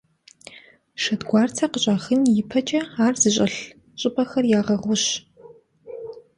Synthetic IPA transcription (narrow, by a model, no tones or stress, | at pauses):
ʂɐdɡʷɑːrtʰɐqəɕʼaːχɨnjɪpʰɐt͡ʃʼɐaːrzɨɕʼɐɬ | ɕʼɪpʰʼɐxɐrjaːʁɐʁʷʊɕ